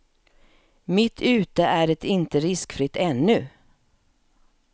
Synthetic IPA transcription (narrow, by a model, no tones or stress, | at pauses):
mɪt̪ʰʉ̟ːt̪əʔæɖɛt̪ɪnt̪əɾɪskfɾɪt̪ːɛnːɵ